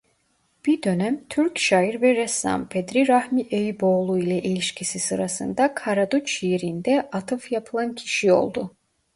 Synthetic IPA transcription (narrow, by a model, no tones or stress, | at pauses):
b̥iɾd̪ø̞næmt̪ʰyɾcʃajiɾvɛɾɛsa̰mpʰed̪ɾiɾahmiʔejibo̞ːlˠuilʲˠɛʔelʲiʃcʰisisɯɾasɯ̰nd̪akʰaɾad̪ut͡ʃijeɾind̪ɛʔat̪ʰɯfjapʰɯlˠancʰi̥ʃio̞̰lˠd̪u